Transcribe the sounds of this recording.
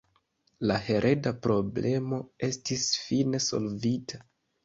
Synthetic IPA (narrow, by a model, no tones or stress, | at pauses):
lahe̞ɾʔe̞dapɾo̞ble̞mo̞e̞stisfine̞so̞̰lvitʰa